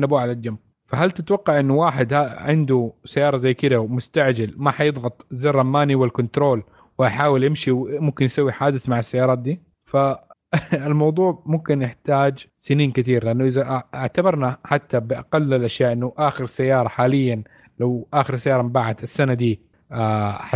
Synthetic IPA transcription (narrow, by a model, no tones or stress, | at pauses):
nːabuːʕalad͡ʒam | faɦalt̪ɪt̪wɑqːɑʕʔɪnːʊwaːħɪd̪haʕɪnd̪usajːɑːɾˤɑzajːkɪd̪awmʊst̪aʕd͡ʒalmaħajɨðˤɣɑt̪ˤzaːrˤɑmːaːniwɪlkʊnt̪ɾoːl | wɪʔaħaːwɪljɪmʃiwmʊmkɪnjɪsawːiħaːd̪ɪθmaʕɪsːajːɑːɾˤɑːt̪̚d̪iː | fa | ɪlmɑwðˤuːʕmʊmkɪnjɪħt̪aːd͡ʒsɪniːnkɪt̪iːɾlɪʔanːʊʔɪðaʔɪʕt̪abɑɾˤnaħat̪ːabɪʔɑqalːɪlʔaʃjaːʔɪnːʊʔaːxɪɾsajːɑːɾˤɑħaːlɪjːan | lawʔaːxɪɾsajːɑːɾˤɑmmbaʕad̪ɪsːanad̪iː | a